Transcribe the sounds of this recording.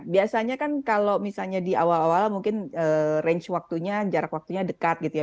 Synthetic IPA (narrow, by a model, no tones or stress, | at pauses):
biasaɲakankalomisalɲadiawalawalamuŋkɪnərɛɲt͡ʃwak̚t̪uɲad͡ʒaɾakwak̚t̪uɲadəkat̪̚ɡit̪uja